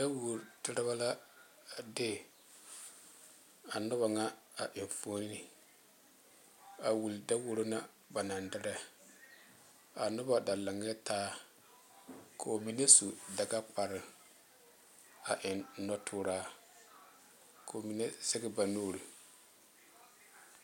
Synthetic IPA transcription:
da˦wo˨ɾtɪ˦ɾɪ˦ba˦la˦ | dɪ˦ | a˨nʊ˦βa˨ŋa˦a˨ʔɪ˨n˨foː˦n˦ni˨ | a˨wu˨lda˦wo˦ɾo˦na˦ | ba˨na˨ndɪ˦ɾɛ˦ | a˨nʊ˦ba˨da˨la˨ŋɛ˦tʰaː˦ | kʰo˨mi˨ne˦su˨da˨ɡa˦k͡pa˨ɾɪ˨ | a˨ʔɪ˨n˦nɔ˦tʰʊː˦ɾaː˦ | kʰo˨mi˨ne˦sɛ˦ɡɪ˦ba˨noː˦˨ɾi˨

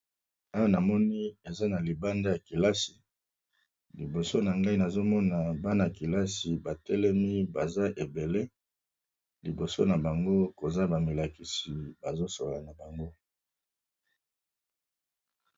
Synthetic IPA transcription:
a˦wa˦na˨mɔ˦ni˦e˨za˦na˨li˨ba˦nda˦ja˨ki˨la˦si˨ | li˨bo˨so˦na˨ŋɡa˦i˦na˨zo˦mɔ˦na˨ba˦na˨ki˨la˦si˨ba˨tɛ˦lɛ˦mi˦ba˨za˦ʔe˨be˨le˦ | li˨bo˨so˦na˨ba˨ŋɡo˦ko˨za˦ba˨mi˨la˨ki˨si˨ba˨zo˦so˨lla˨na˨ba˨ŋɡo˦

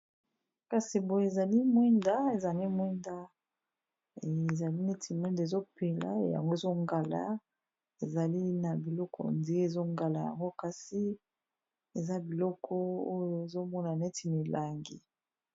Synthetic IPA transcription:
ka˨si˨bo˨jo˨e˨za˨li˦mwɛ˦nda˦e˨za˨li˦mwɛ˦nda˦˨ | za˨li˦ne˦tʰi˨mwɛ˦nda˨e˨zo˦pe˨la̰˨˦ja̰˨ŋɡo˦e˨zo˦ŋɡa˨la̰˨ | e˨za˨li˦na˨bi˨lɔ˦kʰɔ̰˨ndi˨e˦˨zo˦ŋɡa˨la˨ja̰˨ŋɡo˦ka˨si˦ | e˨za˦bi˨lɔ˦kʰɔ˦o˦jo˨e˨zo˦mɔ˦na˨ne˦tʰi˨mi˨la˨ŋɡi˨

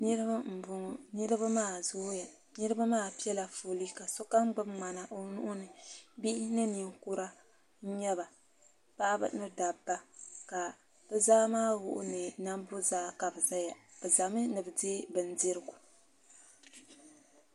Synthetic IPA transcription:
n˦m̩˨bnɨ˦ɾɨ˦ba˦maː˦˨zʊ˦ja˨ | nɨ˦ɾɨ˦ba˦maː˦˨pi˦ɛ˦la˨foː˨li˦ka˨so˦ka˦m˦ɡ͡bɨ˦mŋ͡ma˨na˨ʔo˦nu˦ʔʊ˦nɨ˨bi˦ʔɪ˦nɨ˦ni˨ŋku˦ɾa˦ | ɲɛ˦βa˨ | pa˦ʔbɨ̰˦nɨ˦da˨bːa˦ka˨ | b̥ɨ˦zaː˦maː˦wʊ̰˨ʔʊ̰˦nɨ˨na˦mbo˦zaː˦ka˨bɨ˨za˦ja˨b̥ɨ˨za˨mɨ˦nɨ˨bɨ˨deː˦bɨ˨n˦di˦ɾɨ˦ɡu˨

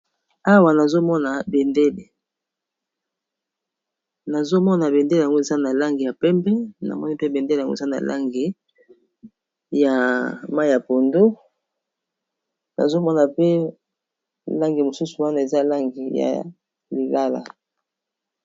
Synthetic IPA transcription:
a˦wa˨na˨zo˦mɔ˦na˨be˨nde˦le˨ | na˨zo˦mɔ˦na˨be˨nde˦le˨a˨ŋɡo˦e˨za˦na˨la˦ŋɡi˨ja˨pɛ˦mpɛ˦na̰˨mɔ˦ni˦pe˦be˨ndle˨a˨ŋɡo̰˦e˨za˦na̰˨lʔa̰˦ŋɡi˨ | ja˨ma˦i˨ja˨po˨ndo˦ | na̰˨zo˦mɔ˦na˨pe˦ | la˦ŋɡi˨mo˨su˦su˨wa˦na˨e˨za˦la˦ŋɡi˨ja̰˨ | li˨la˦la̰˨

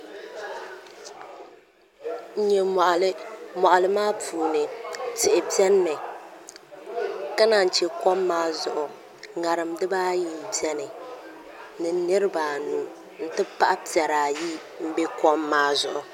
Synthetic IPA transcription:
ɲɛ˨m˨ʔlmɔ˨ʔa˨lɨ˦maː˦puː˨nɨ˨tɪ˨ʔɪ˨pi˦ɛ˦n˦nɨ˨ | ka˦na˨n˨t͡ʃɛ˨kɔ˦mːaː˦zʊ˨ʔʊ˨ | ŋa˨ɾɨ˨mdɨ˦baː˦ji˨m̩˨pi˦ɛ˦nɨ˨ | nɨ˨nːɨ˦ɾɨ˦ba˨nu˨ | n̩˦tɨ˦pa˦ʔa˦pi˨ɛ˨ɾaː˨ji˦ | m̩˦be˦kɔ˦mːaː˦zʊ̰˨ʔʊ˨

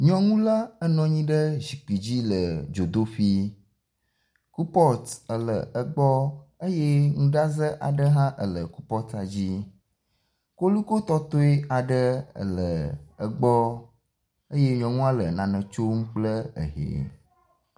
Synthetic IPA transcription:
ɲɔ̃˦ŋũ˦la˦ə˦nɔ̃˨ɲĩ˦ɖə˦zi˨k͡pi˨d͡ʑi˦lə˨d͡ʒo˨d̪o˦ɸi˦ | ku˦pɔ˦t̪ə˨lə̰˨ə˨ɡ͡bɔ˦ə˦je˦ŋũ˦ɖa˦zə˦ʔa̰˨ɖə˦ɦã˦ʔə˨lə˨ku˦pɔ˦t̪a˨d͡ʑi˦ | ko˦lu˦ko˦t̪ɔ˦t̪o˦e˦a˨ɖə˦ə̰˨lə˨ə˨ɡ͡bɔ˦ | ə˦je˦ɲɔ̃˨ŋũ˦a˦lə˨nã˨nə̃˨t͡ʃo˦mũ˦k͡plə˦ə̰˨ɦḛ˨

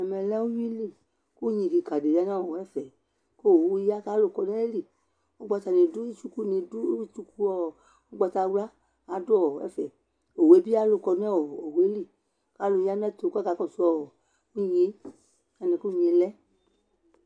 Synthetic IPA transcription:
ɛ˨mɛ˧lɛ˦u˦ji˦li˦˨ | ku˦ɲĩ˧˨di˧˨ka˨de˨ja˧˦nã˦˨ɔ˨ɛ˦fɛ˨ | ko˦˨˧ja˦ka˨˦lo˧˨kɔ˧n˦ɛ˦li˦˨ | o˦ɡ͡ba˧ta˧nĩ˨˧du˦i˦t͡ʃu˧ku˦ni˧du˦i˦t͡ʃu˧ku˧ɔ˦˨ | o˦ɡ͡ba˧ta˧wla˦ | a˨˦du˦ɔ˦˨ɛ̰˦fɛ˨ | o˨we˨˦bi˦a˦lo˧˨kɔ˧nɛ˦ɔ˨o˨we˨˦li˦˨ | ka˨˦lu˧ja˦nɛ˦to˧˨ka˦ka˨˧˦kɔ˦˨su˧ɔ˧˨ | nĩ˦˨je˦ | a˧nɛ̃˧ku˦˨ɲĩ˧lɛ˦

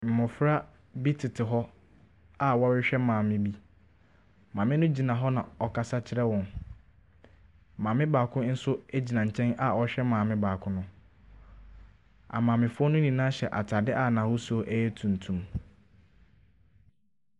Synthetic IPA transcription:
m̩˨mʊ̃˨fɾa˦ | bi˦tʰɪ˨tʰɪ˨ɦɔ˦ | a˨wɔ˦wɪ˦ɕᶣɛ˦mãː˨mɪ̃˦bi˦˨ | mãː˨mɪ̃˦nʊ̃˦d͡ʑi˨nã˨ɦɔ˦nã̰˨ɔ˨kʰa˨sa˦t͡ɕʰɪ˦ɾɛ˦wɔ̃˨n | m̩˨mãː˨mɪ̃˦baː˨kʰʊ̃˦n̩˦sʊ˦æ˦d͡ʑi˨nã˨ɲ̩˨t͡ɕʰɛ̃˦nʔa˨ɔ˦ɕᶣɛ˦mãː˨mɪ̃˦baː˨kʰʊ̃˦nʊ̃˦ | a̰˨mãː˨mɪ̃˨fʊ˦ɔ˦nʊ̃˦nĩ˨nãː˦ɕɛ˨ʔa̰˨tʰa˨dɪ˦ʔa˨nã˨hʊ˦so˦ʔæ˦jɛ˦tʰũ˨n̩˨tʰũ˨m

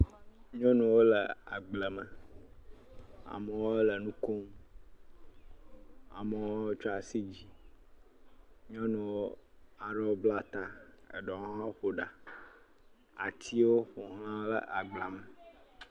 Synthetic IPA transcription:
ɲɔ̃˦nũ˨wo˦lə˨a̰˨ɡ͡blə˨mə̃˨ | a̰˨mə˨wo˦lə˨nũ˦ko˦m | a̰˨mə˨wo˦t͡ʃɔ˦a˨si˦d͡ʑi˦ | ɲɔ̃˦nũ˨wo˦a˨ɖɛ˦wo˦bla˦t̪a˦ə̰˨ɖɔ̃˨˦ɦã˦ɸo˨ɖa˨ | a̰˨t̪ʰi˦wo˦ɸo˨ɦl̃ã˦lə̰˦ʔa˨ɡ͡bla˨mə˨

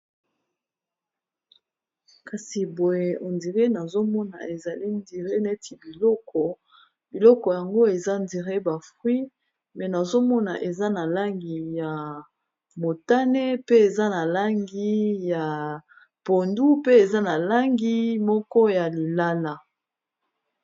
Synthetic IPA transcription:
ka˨si˨bo˨je˨ʔo˨ndi˨ʁe˦na˨zo˦mɔ˦na̰˨e˨za˨li˦ndi˨ʁe˦na˦˨e˦ti˨bi˨lɔ˦kʰɔ˨ | bi˨lɔ˦kɔ˨ja˨ŋɡo˦e˨za˦ndi˨ʁe˦ba˨fʁwi˦ | mɛ˨na˨zo˦mɔ˦na̰˨ʔe˨za˦na˨la˦ŋɡi˨ja˨ | mo˨ta˦nɛ˦pe˦e˨za˦na˨la˦ŋɡi˦ja˨ | po˨ndu˦pe˦e˨za˦na˨la˦ŋɡi˦mɔ˦kɔ˦ja˨li˨la˦la˦

